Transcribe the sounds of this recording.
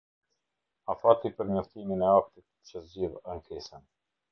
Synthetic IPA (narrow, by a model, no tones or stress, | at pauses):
afat̪ipəɾmɔft̪iminɛak̚t̪it̪̚t͡ʃəzd͡ʑivənkisɛn